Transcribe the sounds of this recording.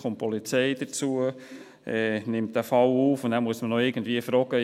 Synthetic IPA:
χʊm̚pɔlit͡sɛɪd̥ət͡suə | ʔɛnɪmtd̥æfɑluːfʊndæːmuəsmənɔɪɡən̩dviːəfɾɔːɡə

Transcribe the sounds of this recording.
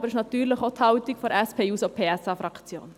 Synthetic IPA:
bəɾɪʃnɑt̪yːɾlɪχot̪hɑʊt̪ikfɔɾɛspʰeːjuːsopʰeːɛsɑːfɾɑkt͡sjo̰ːn

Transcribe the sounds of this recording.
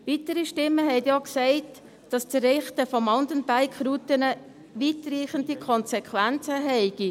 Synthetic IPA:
vitəɾiʃtɪmːəɦɛɪtjɑksɛɪt | d̥ɑst͡sərɪχtəfɔmɔndənbæɪkʰɾutənə | ʋitriːχən̩dikʰɔnsɛkʰvænt͡səɦɛɪɡ̥i

